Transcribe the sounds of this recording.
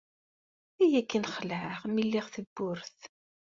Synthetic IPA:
æjækːənχəlʕəʁmilːiʁθəbːʊɾθ

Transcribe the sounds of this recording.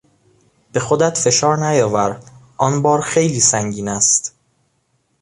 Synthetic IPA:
b̥e̞xod̪æt̪fe̞ʃɒːɾnæjɒːvæɾʔɒnbɒːɾxe̞jliːsæŋɟiːnæst̪

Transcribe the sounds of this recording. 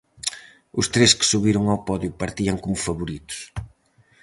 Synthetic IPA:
ʊst̪ɾeskɪ̥suβiɾʊŋawpɔðjupɐɾt̪iɐŋkomʊfɐβuɾit̪ʊ̥s

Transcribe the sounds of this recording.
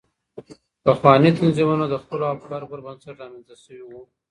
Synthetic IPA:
paxwɑnit̪anzimanod̪əxpəloabkɑɾpəɾbansaʈzɑmanzt̪aʃəwiwu

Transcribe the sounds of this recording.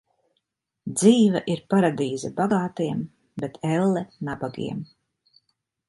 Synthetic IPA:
d̪ziːvaʔiɾpaɾad̪iːzabaɡaːt̪iɛm | bet̪ʰɛlːɛnabaɡḭɛm

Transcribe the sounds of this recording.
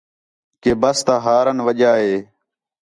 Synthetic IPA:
keːbəst̪aːɦaːɾənʋəʄaːɦeː

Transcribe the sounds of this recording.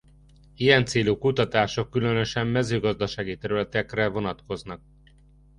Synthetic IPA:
ijɛnt̪seːlukut̪ɒt̪aːʃo̞kːylø̞nø̞ʃɛmːɛzøːɡɒzd̪ɒʃaːɡit̪ɛɾylɛt̪ɛkrɛvo̞nɒt̪ko̞znɒk̚

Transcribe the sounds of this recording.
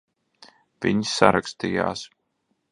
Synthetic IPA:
v̥iɲsːaɾakst̪ija̰ːs

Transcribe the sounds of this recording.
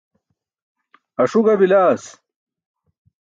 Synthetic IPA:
ɐʂuɡɐbilaːs

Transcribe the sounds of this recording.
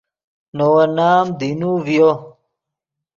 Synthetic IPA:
nowɐnaːmd̪inuvjo

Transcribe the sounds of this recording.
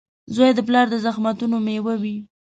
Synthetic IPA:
zojd̪əp̬lɑɾd̪əzaxmat̪unomewawi

